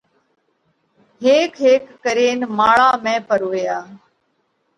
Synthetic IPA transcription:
ɦeːkʰɦeːkːəɾeːnmaːɭaːmẽːpəɾoːjaː

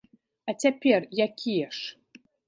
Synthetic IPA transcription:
atʲæpʲerʲjakʲʰijəʂ

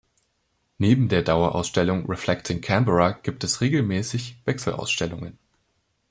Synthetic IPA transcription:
neːbm̩deːɐdaʊɐʔa̰ʊsʃtɛlʊŋʁɛflɛktʰɪŋkʰɛmbəʁaɡ̥iːp̚tɛsʁeːɡl̩mɛːsɪçv̥ɛksl̩ʔa̰ʊsʃtɛlʊŋən

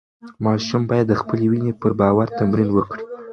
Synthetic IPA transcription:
mɑʃumbɑjad̪ːəxpəlewinepəɾbɑwaɾt̪amɾinwəkɽi̥

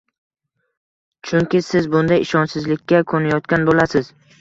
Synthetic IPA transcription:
t͡ʃʰʊŋkʲɪsɪzbʊnd̪ajɪʃɒnsɪzlɪkʲʰːakʰonajɒt̪̚kʲanbolasɪz̥

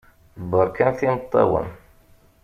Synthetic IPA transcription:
bəɾˤkænθimət̪ˤːɑ̰wə̰n

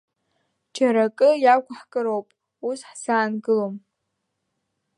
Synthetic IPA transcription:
d͡ʒʰaɾakʼɨjakʷʰʼaħkʼɨɾowpʼ | usħzaːnɡɨlom

